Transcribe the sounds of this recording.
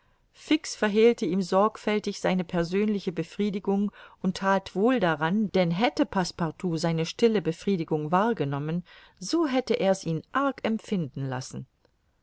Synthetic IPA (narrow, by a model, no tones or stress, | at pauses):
fɪksfɛɐɦiːltəiːmzɔɐkfɛltɪçz̥aɪnəpʰɛɐzøːnlɪçəbəfʁ̥iːdɪɡʊŋʔʊntʰːaːtv̥oːldaʁand̥ɛnɦɛtəpʰaspaʁtʰuːzaɪnəʃtɪləbəfʁ̥iːdɪɡʊŋvaːɐɡənɔmən | zoːɦɛtəʔeːɐsiːnʔaɐkɛmfɪndn̩la̰sn̩